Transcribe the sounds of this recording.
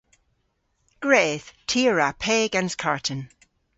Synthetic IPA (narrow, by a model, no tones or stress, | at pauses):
ɡ̥ɹeːð̥tʰiɹapʰeːɡãnskʰaɹʔʰən